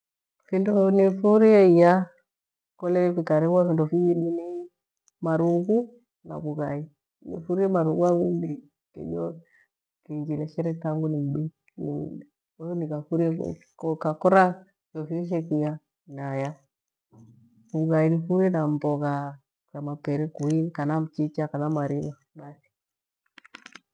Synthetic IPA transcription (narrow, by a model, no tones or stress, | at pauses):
findɔnifuɾiɛija | kɔlɛɾɛkwikaɾɛβwafindɔfiiɗini | maɾuku | na̰kuɡai | nḭfuɾiɛmaɾuɡuaɡundi | kḭɗɔ | kiɲd͡ʒilɛʃɛɾɛtaŋɡunim̩ɓi | nḭɗɛ | onikafuɾḛ | kkakoɾa | jofiʃ̬ekija | naja | kuɡajinifuɾenamboka | kamapeɾɛkuinkanamt͡ʃit͡ʃakanamaɾina | ɓasi̥